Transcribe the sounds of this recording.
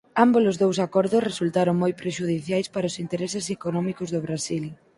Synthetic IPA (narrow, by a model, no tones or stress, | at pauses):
ambolʊzðowsakɔɾðʊsresult̪aɾoŋmojpɾeʃuðiθjajspaɾaʊsint̪eɾɛsɪsekonɔmikʊzðʊβɾasil